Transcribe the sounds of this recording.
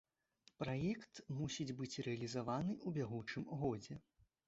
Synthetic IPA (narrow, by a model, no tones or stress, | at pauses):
pɾajɛkt̪musʲid͡zʲbɨt͡sʲrɛɐlʲizavanɨʔubʲaɣut͡ʂɨmɣɔd͡zʲɛ